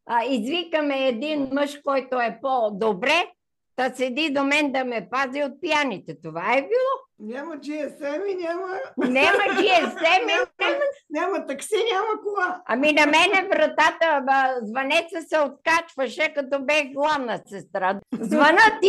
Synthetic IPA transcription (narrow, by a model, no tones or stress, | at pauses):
izvikəmɛːd̪inmɤʃkɔjt̪oɛpod̪obɾɛ | t̪əsɛd̪id̪omɛnd̪ɐmɛpaziot̪̚pijanit̪ɛt̪ovaɛbilˠɔnʲamɐt͡ʃiɛsɛminʲamənʲɛmɐt͡ʃiɛsɛminɛmnʲamɐt̪ɐksinʲaməkovaɐminɐmɛnɛvɾɐt̪at̪əzvɐnɛt̪səsɛot̪̚kat͡ʃvəʃɛkɐt̪ɔbɛxɡlˠavnəsɛst̪ɾazvɐnət̪i